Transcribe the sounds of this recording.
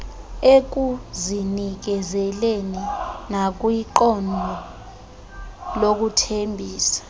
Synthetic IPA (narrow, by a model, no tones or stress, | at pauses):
ek̬uzinik̬ɛzɛleninak̬wiǃɔndʱɔ | lok̬utʰembʱiːsḁ